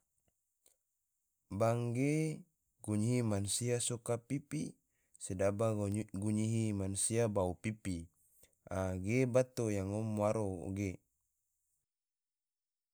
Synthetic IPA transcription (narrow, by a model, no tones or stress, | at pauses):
baŋɡe | ɡuɲiɦimansiasokapipi | sedabaɡuɲiɦimansiabaupipi | aɡebat̪ojaŋɔmːwaɾo̰ɡe